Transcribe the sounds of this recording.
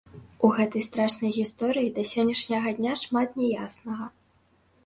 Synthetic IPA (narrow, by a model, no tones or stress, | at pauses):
uɣɛt̪ɐjst̪ɾaʂnɐjɣʲist̪ɔɾɨjid̪ɐsʲɔnʲːɐʂnʲɐɣɐd̪ʲnʲaʂmat̪nʲɛjasnɐɣɐ